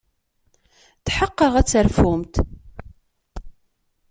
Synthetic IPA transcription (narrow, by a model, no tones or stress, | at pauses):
θħəqːəʁæt͡sːəɾfʊmt̪